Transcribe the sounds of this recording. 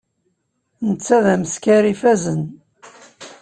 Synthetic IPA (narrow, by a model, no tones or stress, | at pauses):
nət͡sːæðæməskæɾifæzən